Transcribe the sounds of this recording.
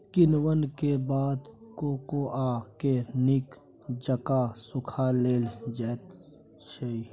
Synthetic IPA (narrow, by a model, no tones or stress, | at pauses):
kɪnwənkebaːd̪koːkoʔaːkenɪk | d͡ʒəkasʊkʰaleːld͡ʒɛːt̪ | ʃei